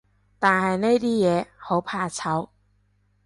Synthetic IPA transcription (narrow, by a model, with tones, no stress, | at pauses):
t̪aː˨˩nhɐ˨jne˥jt̪iː˥jɛː˨˧ho˨˥wpʰaː˧t͡sʰɐ˨˥w